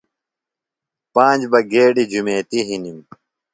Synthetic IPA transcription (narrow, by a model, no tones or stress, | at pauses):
pãːnd͡ʑbɐɡeːɖid͡ʑumeːt̪iɦinim